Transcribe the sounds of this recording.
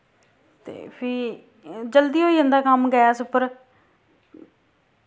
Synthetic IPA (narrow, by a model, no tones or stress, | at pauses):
t̪ḛːpʰɪ | d͡ʒəld̪iːɦoːiːənd̪aːkəmɡəjaːsʊpəɾ